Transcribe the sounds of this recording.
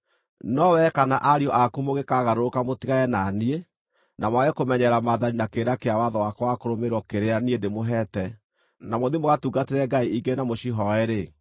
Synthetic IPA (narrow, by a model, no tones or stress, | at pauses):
nɔwɛkanaʔaɾiɔʔakumoɣekaɣaɾoɾokamotiɣaɛnanie | namwaɣɛkomɛɲɛɾamaðaninakeːɾakeawaðɔwakɔwakoɾomeɾɔkeɾeaniendemoɦɛtɛ | namoðimoɣatuɡateɾɛɡaiʔiɡenamoʃiɦɔɛɾe